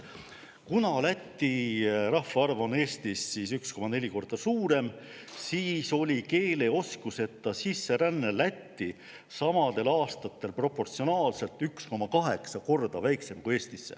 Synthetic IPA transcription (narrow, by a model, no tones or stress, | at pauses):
kunɑlæt̪ːirɑhːɑɑrvone̞ːst̪isːisyksko̞mɑne̞lʲiko̞rd̪̥ɑsuːɾe̞m | siːso̞lʲike̞ːle̞o̞skuse̞t̪ːɑsisːe̞ɾænːelæt̪ːi | sɑmɑd̪̥e̞lɑːst̪ɑt̪ːˑe̞lpro̞pːo̞rt̪sio̞nɑːlse̞lt̪ˑyksko̞mɑkɑɦe̞̰ksɑko̞rd̪̥ɑvæjkse̞mkue̞ːst̪isːḛ